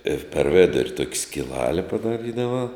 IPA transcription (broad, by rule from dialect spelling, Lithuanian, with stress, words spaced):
ɪr pʲɛr ˈʋʲɪdʊrʲ tuɔkʲ sʲkʲɪˈlˠɑːlʲɛ pɐdɐˈrʲiːdɐʋɐ